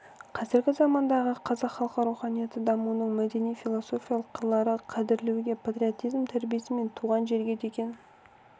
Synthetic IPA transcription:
qʰɑzɪɾɡʲɪzɑmɑnd̪ɑʁəqʰɑzɑqχːɑlˠqɑɾuwχɑnijɑt̪əd̪ɑmuwənəɴmæd̪e̞nijfilˠoso̞fʲijɑlˠəqʰːəɾlˠɑɾəqʰɑd̪ɪɾlewɡʲe̞pʰat̪rʲio̞t̪ijzmt̪ʰæɾbijesɪme̞nt̪ʰuʁɑnʒe̞ɾɡʲe̞d̪ekʲe̞n

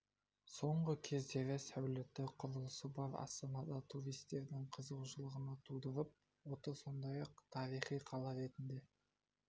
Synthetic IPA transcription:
so̞ɴʁəkʲʰe̞zd̪e̞ɾɪsæwlɪt̪ːɪqʰʊɾəlˠəsəbɑɾɑ̰st̪ɑnɑd̪ɑt̪ʰuɾijst̪e̞ɾd̪ɪŋqʰəzəwʃəlˠəʁənɑt̪ʰud̪əɾəp̚ | wot̪əso̞nd̪ɑjɑq̚t̪ʰɑɾijχijqʰɑlˠɑɾe̞t̪ɪnd̪e̞

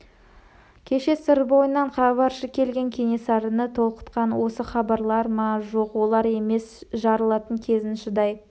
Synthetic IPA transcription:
kʲʰe̞ʃe̞sɪɾbo̞jənɑɴχɑbɑɾʃəkʲʰe̞lɡʲe̞ŋkʲʰe̞ŋe̞sɑɾənət̪ʰo̞lˠqə̥t̪qɑnwo̞səχɑbɑɾlˠɑɾmɑʒoqwo̞lˠɑɾe̞me̞sʒɑɾəlˠɑt̪əŋkʲʰe̞zɪnʃɪd̪ɑj

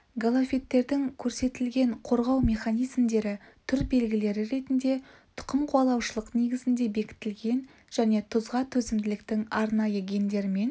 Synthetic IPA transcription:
ɡolˠofʲe̞t̪ːe̞ɾd̪ɪŋkʲʰɵɾse̞t̪ɪlɡʲe̞ɴqʰo̞ɾʁɑwmʲe̞χanijzmd̪e̞ɾɪt̪ʰʏɾbe̞lɡʲɪle̞ɾɪɾe̞t̪ɪnd̪e̞t̪ʰʊ̥qəmqʰuɑlˠɑwʃəlˠəqne̞ɡʲɪzɪnd̪e̞be̞kʲɪ̥t̪ɪlɡʲe̞n | ʒ̥æne̞t̪ʰʊzʁɑt̪ʰɵzɪmd̪ɪlɪk̚t̪ɪŋɑɾnɑjəɡʲe̞nd̪e̞ɾɪme̞n

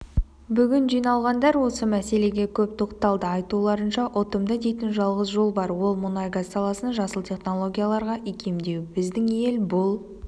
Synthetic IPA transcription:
bʏɡʲɪnʒijnɑlˠʁɑnd̪ɑɾwo̞səmæse̞le̞ɡʲe̞kʲʰɵp̚t̪ʰo̞qt̪ɑlˠd̪əɑjt̪ulˠɑɾənʃɑʔot̪əmd̪əd̪e̞jt̪ɪnʒɑlˠʁəzʒo̞lˠbɑɾwo̞lˠmʊnɑjɡasɑlˠɑsənʒɑsəlˠt̪ʲʰe̞χno̞lˠo̞ɡʲijalˠɑɾʁɑʔijkʲʰe̞md̪e̞wbɪzd̪ɪŋje̞lbʊlˠ

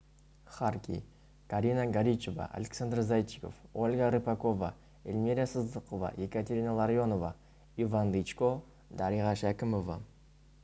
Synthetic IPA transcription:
χarkʲḭ | kaɾʲinaɡaɾʲit͡ʃova̰ʔa̰lʲeksand̪rzajt̪ːiko̞̰folʲɡaɾɨpakova | elʲmiɾʲasəzd̪əqova̰jekat̪ʲeɾʲinalˠaɾjo̞nova | ivand̪it͡ʃko | d̪aɾiʁɑʃækʲɪmova̰

